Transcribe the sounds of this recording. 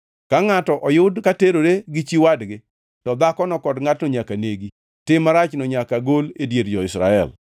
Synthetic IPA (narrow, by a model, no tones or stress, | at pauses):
kaŋatɔʔɔjʊdkateɾoɾeɡɪt͡ʃiwadɡɪ | tɔd̪akɔnɔkɔdŋatnɔɲakaneɡi | tɪmːaɾat͡ʃnɔɲakaɡoledjeɾd͡ʒɔɪsɾa̰ɛ̰l